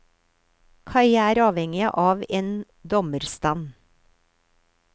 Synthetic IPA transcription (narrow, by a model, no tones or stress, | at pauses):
kʰɑɪæːɾɑːʋhɛŋɪʔɑːʋeːn | d̪ɔməɾst̪ɑn